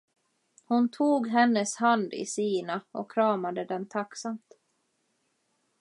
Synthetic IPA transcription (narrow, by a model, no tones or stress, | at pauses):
hʊnt̪ʰuːɡɦɛnːəshand̪ɪ̰siːnaʔɔkʰːɾɑːmad̪əd̪ɛnt̪ʰaksamt̪